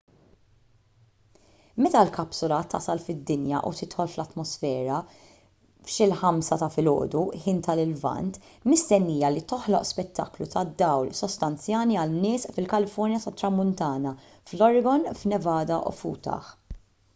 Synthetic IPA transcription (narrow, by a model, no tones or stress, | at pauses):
mɛt̪ɐlkɐpsʊlɐt̪ːɐ̰sɐlfɪd̪ːɪnjɐ̰ʔṵt̪ɪt̪ħɔlflɐt̪mɔsfɛːɾɐ | fʃɪlħɐmsɐt̪ɐfɪlɔ̰ːd̪uħɪːnt̪ɐlɪlvɐ̰nt̪ | mɪst̪ɛnːiːjɐlit̪ɔħlɔʔspɛt̪ʰːɐ̰klut̪ɐd̪ːɐwlsɔst̪ɐnt͡sjɐːniɐlnːɪːsfɪlkɐlɪfɔɾnjɐt̪ɐt̪ːɾɐmːʊnt̪ɐːnɐ | flɔɾɪɡɔnfnɛvɐːd̪ɐʔṵfṵːt̪ɐ̰ħ